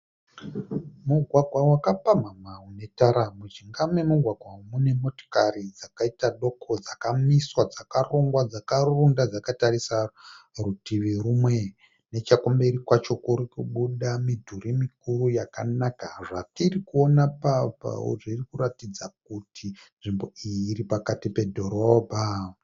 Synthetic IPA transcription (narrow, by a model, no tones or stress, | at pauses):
muɡʱwaɡʱwawakapamamaune̞taɾamut͡ʃiŋɡamwemuɡʱwaɡʱwamune̞mo̞to̥karid͡zakaitaɗo̞kʰo̞d͡zakamiswad͡zakaroŋɡwad͡zakarundad͡zakatarisarutiʋirumwe | ne̞t͡ʃakombeɾikwat͡ʃo̞kuɾikuɓuɗamidʱurimikuɾujakanakaʐatirikuo̞napapa̰ṵʐirikuratid͡zak̚utʰinʐimbo̞ijiːɾipakatipe̞dʱo̞ɾobʱa